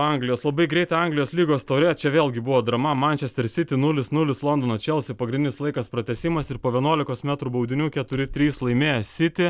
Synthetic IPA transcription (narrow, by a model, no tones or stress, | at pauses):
ɐŋɡlʲɪjoːslˠɐbɐɪɡɾʲɛɪt̪ɐɐŋɡlʲɪjoːslʲiːɡoːst̪ɐʊɾʲeːt͡ʃʲɛʋʲeːlˠʲɡʲɪbʊʋoːd̪ɾɐmɐmɐnʲt͡ʃʲɛsʲt̪ʲɛɾsʲɪt̪ʲɪnʊlʲɪsnʊlʲɪslˠɔnd̪oːnot͡ʃʲɛlˠsʲɪpɐɡɾʲɪnd̪ʲɪnʲɪslˠɐɪkɐspɾɐt̪ʲɛsʲɪmɐsɪɾpoːʋʲiɛnuɔlʲɪkoːsmʲæt̪ɾubɐʊd̪ʲɪnʲuːkʲɛt̪ʊɾʲɪt̪ʲɾʲiːslˠɐɪmʲeːjɛsʲɪt̪ʲɪ